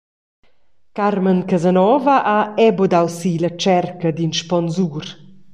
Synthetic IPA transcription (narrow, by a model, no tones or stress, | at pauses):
kaɾmənkazanɔvəʔaɛbɔd̪awsilɐt͡ʃɛrkɐd̪inʃpɔnzur